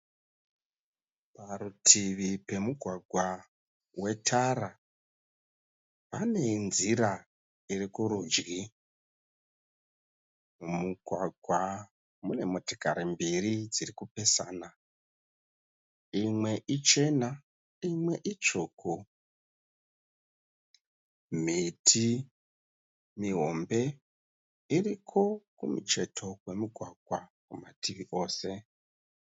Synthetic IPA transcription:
paɾutʰiʋipe̞muɡʱwaɡʱwa | we̞tʰaɾa | pane̞nziɾa | irikuɾuːd͡ʒɡi | umuɡʱwaɡʱwa | mune̞muti̥ka̰ɾimbirid͡zirikupe̞saːna | imwe̞ʔit͡ʃe̞na | imwe̞ʔit͡ʃoːkʰo | mitʰi | miɦo̞̰mbe̞ | irikʰo̞kumṵt͡ʃe̞tʰo̞we̞muɡʱwaɡʱwakumatiʋiʔo̞ːse̞

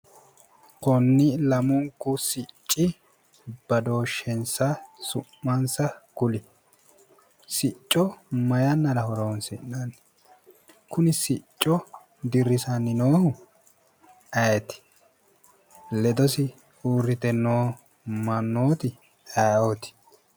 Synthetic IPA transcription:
kɔnːɪlɐmʊŋkːʊsɪt͡ʃʼːɪ | b̥ɐd̪o̞ːʃːɛnsɐsʊmːɐnsɐkʊlɪ | sɪt͡ʃʼːɔmɐjɐnːɐɾɐhɔɾoːnsɪnːɐnː | kʊnɪsɪt͡ʃʼːɔ | d̪ɪɾːɪsɐnːɪnoːhʊ | ɐjɛt̪ɪ̥ | lɛd̪ɔsɪ | uːɾːɪt̪ɛnːoː | mɐnːoːt̪ɪ | ɐot̪ɪ̥

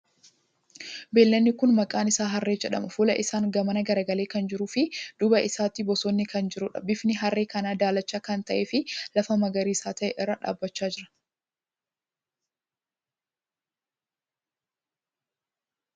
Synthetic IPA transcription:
be̞ːlːɐnːɪkʊnmɐkʼaːnɪsaːɦɐrːe̞ːd͡ʒɛᶑɐ̰mɐfuːlɐʔɪsaːŋɡɐmɐnɐɡɐɾɐɡɐle̞ːkɐnd͡ʒɪɾuːfɪd̪̥ʊbɐɪsaːt̪ɪbɔsɔnːɪkɐnd͡ʒɪɾʊᶑɐ̰bɪfnɪɦɐrːeːkɐnaːd̪aːlɐt͡ʃːaːkɐnt̪ɐʔeːfɪlɐfɐmɐɡɐɾiːsaːt̪ɐʔɛʔɪrːɐᶑa̰ːbːɐt͡ʃːaːd͡ʒɪɾɐ̥

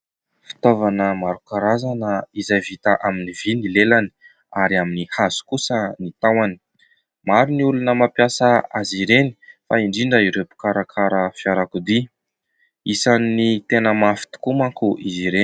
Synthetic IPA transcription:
fi̥t̪ovanəmaɾukaɾazanəizajvit̪aʔaminivinilelani̥ | aɾiaminihazu̥kusənit̪awani̥ | maɾiniulunəmapjasəaziɾeni̥faiɳɖ͡ʐiɳɖ͡ʐəiɾepu̥kaɾakʰaɾəfjaɾakud̪i | isanːit̪enəmafi̥t̪u̥kumakuʔiziɾeni

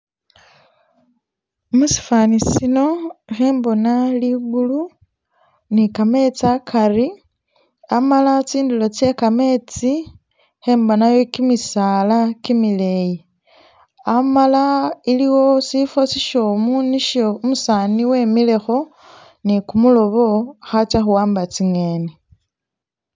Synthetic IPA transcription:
musi̥faːnisino̞xe̞ːmbo̞naliɡulu | nikame̞t͡sakʰari | amalat͡siːndulo̞t͡se̞kame̞t͡si | xe̞ːmbo̞najo̞kimisaːlakimile̞ji | amalailiwo̞sifo̞siʃo̞muniʃoumusaːniwe̞mile̞xo̞ | nikumulo̞βo̞xat͡ʃaxuwaːmbat͡siŋe̞ːni

